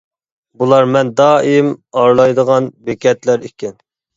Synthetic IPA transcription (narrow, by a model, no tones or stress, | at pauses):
bulˠɑɾmɛnd̪ɑːimɑɾlˠɑjd̪əʁɑnbekʲɛt̪læɾikʲɛn